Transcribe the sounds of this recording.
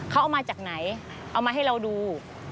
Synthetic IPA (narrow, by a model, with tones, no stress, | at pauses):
kʰa˦˥wʔa˧wmaː˧t͡ɕaː˨˩k̚na˩˦j | ʔa˧wmaː˧ɦa˥˩jɾa˧wduː˧